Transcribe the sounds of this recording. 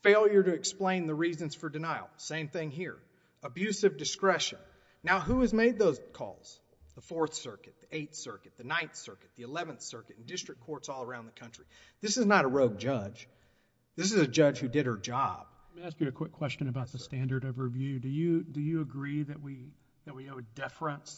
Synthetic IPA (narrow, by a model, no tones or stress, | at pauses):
feɪlˠjə˞ɾɨɨksplẽɪ̃nðɨɹizɨ̃nz̥fə˞dɨnaɪl̩ˠsẽɪ̃mθɪ̃ŋɦiɹ | əbjʉsʌvdɨskɹɛʃɨ̃nː | aʊɦuɨzmeɪd̪̚ðoʊz̥kʰɔ̰lˠz̥ | ðəfɔɹθsɜ˞kɨt̪̚ðiʔeɪt̪θsɜ˞kɨt̪̚ðɨnãɪ̃nθsɜ˞kɨt̪̚ðiɨlɛvɨ̃nθsɜ˞kɨɾn̩dɪstɹ̥ɨkʰɔɹtsɔlˠə˞ãʊ̃nðəkʰʌ̃nt͡ʃɹ̥i | ðɪsɨznəɾəɹoʊɡ̚d͡ʒʌd͡ʒ | ðɪs̬ɨzɨd͡ʒʌd͡ʒ̥hʉdɨɾ̚hə˞d͡ʒɑ̰b̥ | mĩæskjɨɨkʰw̥ɪkʰw̥ɛst͡ʃɨ̃nɨbaʊt̪̚ðɨstæ̃ndə˞ɾʌvɹivjʉdɨjɨdɨjɨːɡɹiðɨt̚wi | ðɨt̚wioʊɨdɛfɹə̃ns